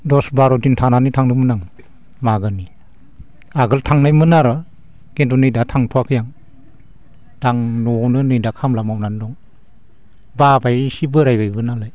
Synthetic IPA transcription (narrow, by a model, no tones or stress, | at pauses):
dɔsbaɾɔdintʰananitʰaŋnɯmɯnaŋ | maɡani | aɡɯltʰaŋnajmɯnaɾɯ | ɡ̥entɔnɯjdatʰaŋtʰwakʰɯjaŋ | d̥aŋnɔnɯnɯjdakʰamlamawnandɔŋ | babajsibɯɾajbajbɯnalaj